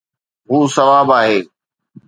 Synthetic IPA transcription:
ɦuːsɐʋaːbaːɦeː

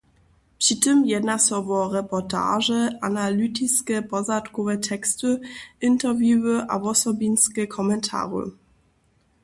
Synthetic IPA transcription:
pɕitɘmjɛdnasɔvɔʁɛpɔtʰa̰ːʐɛʔanalytʰiskɛpɔzatkɔvɛtʰɛkstɨʔɪntɛʁvjuwɘʔa̰vɔsɔbinskɛkʰɔmɛntʰa̰ːʁə̰

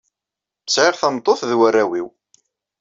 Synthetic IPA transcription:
sʕɪʁθæmt̪ˤːoθðwærːæwiw

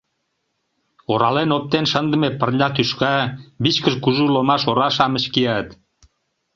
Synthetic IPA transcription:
oɾɑlenop̚t̪enʃənd̪ə̆mepərlʲɑt̪yʃkɑbit͡ɕkəʃkuʒulomɑʃoɾɑʃɑmə̆t͡ɕkijɑt̪

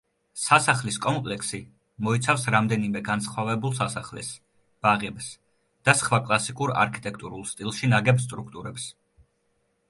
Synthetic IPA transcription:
sasaχliskʼɔmpʼlɛksi | mɔit̪sʰafsɾamd̪ɛnimɛɡansχwavɛbulˠsasaχlɛ̰s | b̥aʁɛbs | d̪̥asχvakʼlˠasikʼuɾa̰ɾkʰit̪ʼɛkʰt̪ʼuɾulˠst̪ʼilˠʃinaɡɛbst̪ʼɾukʰt̪ʼuɾɛps

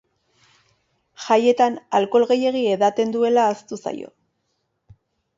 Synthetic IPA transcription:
ʝaje̞t̪analko̞lɣe̞je̞ɣ̞ie̞ðat̪e̞nd̪ue̞laːst̪usa̰jo̞̰

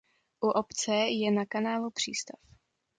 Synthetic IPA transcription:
ʔuʔopt͡sɛjɛnakanaːlupr̝̥ḭːst̪af

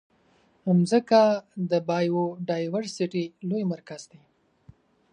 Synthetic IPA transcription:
amzəkad̪əbɑjoɖɑjwəɾsiʈilojmaɾkazd̪e

